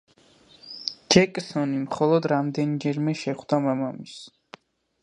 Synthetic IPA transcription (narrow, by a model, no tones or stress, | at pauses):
d͡ʒɛkʼsɔnimχɔlˠɔd̪ɾamd̪ɛnd͡ʒɛɾmɛʃɛχwd̪amamamis